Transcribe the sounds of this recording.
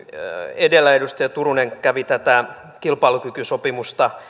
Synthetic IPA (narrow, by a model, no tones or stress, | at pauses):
edelːˑæedust̪ɑjɑt̪uruneŋkæʋit̪æt̪æ | kilpɑilukykysopimust̪ɑ